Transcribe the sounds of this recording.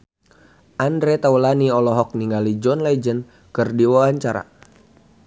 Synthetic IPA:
ʔandɾɛt̪aulaniɔlɔɦɔk̚niŋɡalid͡ʒɔnlad͡ʒən | kɨrdiwawaɲt͡ʃaɾa̰

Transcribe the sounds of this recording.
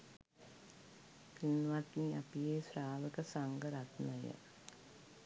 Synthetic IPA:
pinːʋɐt̪niɐpijeːsɾaːʋɐkɐsɐŋɡɐɾat̪nɐjɐ̰

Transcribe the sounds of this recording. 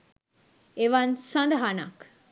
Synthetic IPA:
eʋɐnsãnd̪ɐɦana̰k

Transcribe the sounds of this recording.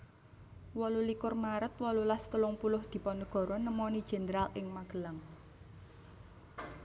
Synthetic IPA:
wɔlulikʊrmaɾət̪wɔlulast̪əlʊŋpulʊhd̪̥i̤pɔnd̪əɡ̥ɔ̤ɾɔnəmɔnid̥ʒ̥ɛ̤nəɾalɪŋmaɡ̥ə̤laŋ

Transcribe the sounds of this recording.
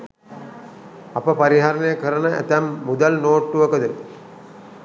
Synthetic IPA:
apəpaɾiɦaɾənəjəkəɾənəʔæ̰t̪æmːud̪alnoːʈːuʋəkəd̪uɾ

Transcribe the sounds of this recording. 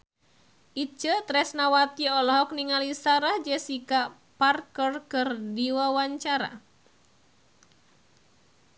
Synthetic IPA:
ʔit͡ʃət̪ɾɛsnawat̪iɔlɔɦɔk̚niŋalisaɾahd͡ʒɛsika | parkərkɨrdiwawaɲt͡ʃaɾa̰

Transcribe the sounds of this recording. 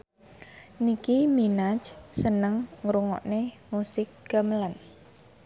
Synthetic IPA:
nikiminat͡ʃsənəŋŋɾuŋɔ̰ʔne | musɪk̚ɡ̥amlan

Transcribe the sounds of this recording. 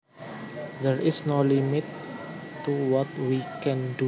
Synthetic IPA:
dɛɹɪsnolimɪt̪ː | uwɔt̪wikɛ̃ndu

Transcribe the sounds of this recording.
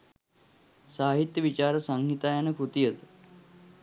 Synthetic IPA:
saːɦit̪jəʋit͡ɕaɾəsaŋɡʱit̪ajanəkʰut̪ijət̪

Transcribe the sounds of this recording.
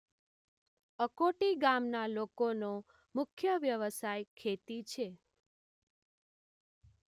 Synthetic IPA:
əkoʈiɡamnalokono | mʊkʰjəʋjəʋəsajkʰet̪it͡ʃʰe

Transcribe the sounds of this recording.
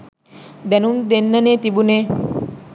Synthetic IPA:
d̪ɛnumd̪enːɐneːt̪ibuneː

